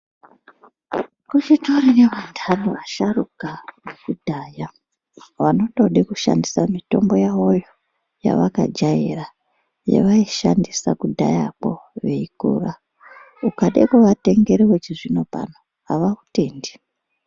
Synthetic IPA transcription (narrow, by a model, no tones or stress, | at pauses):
kut͡ʃitoɾineʋandʰʱanuʋaʃarukanekudʱaːja | ʋano̞to̞ɗekuʃa̰ndisamito̞mbo̞jao̞jo̞ | ja̰ʋaka̰d͡ʒajḛra | jḛʋaiʃandisakudʱa̰ja̰po̞̰ʋe̞ikṵra | ukaɗekuʋate̞ŋɡe̞ɾewet͡ʃiʐino̞pa̰no | ɦaʋaute̞ːndi̥